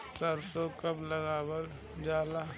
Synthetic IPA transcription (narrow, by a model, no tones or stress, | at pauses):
təɾsokəbləɡaːwəl | d͡ʒaːla